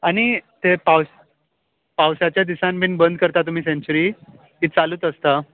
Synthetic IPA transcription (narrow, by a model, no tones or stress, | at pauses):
añit̪epaws | pawsat͡ɕjad̪isãmbʱiːnbənd̪ʱkəɾt̪at̪um̤iːsẽɲt͡ɕuɾi | ɦitt͡saluːt̪əst̪a